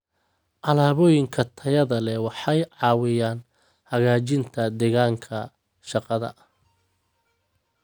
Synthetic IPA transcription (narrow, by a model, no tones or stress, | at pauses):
ʔɑlaːβɔːjɪŋkʰɐt̪ʰɐjɐðɐlɛwɑħɑjʕɑːwɪjaːn | hɐɣaːt͡ʃɪnt̪ʰɐd̪ɛɣaːŋkʰɐ | ʃɑqɑðɐ̰ʔ